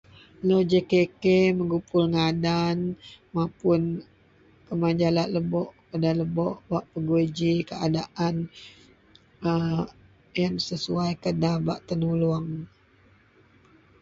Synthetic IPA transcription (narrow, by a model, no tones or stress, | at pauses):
lod͡ʒekekeməŋɡupʊlŋadanmãpʊn | kəmaɲd͡ʒalaʔləbɔʔkadanləbɔʔbaʔpəɡued͡ʒikəadaʔan | ə | jaŋsəsuajkədabaʔt̪ənuluaŋ